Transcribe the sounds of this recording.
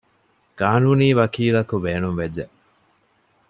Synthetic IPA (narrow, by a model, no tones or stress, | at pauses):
ɡ̥aːnuːniːʋɐkiːlɐkubeːnumʋed͡ʒːe